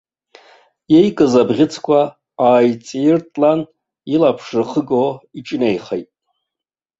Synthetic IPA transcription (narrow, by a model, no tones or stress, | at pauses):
je̞jkʼɨzabʁʲɪt͡sʰkʷʰaː | jt͡sʼirtʼlan | ilapʰʂɨrχəɡoiʈ͡ʂʼnejχejtʼ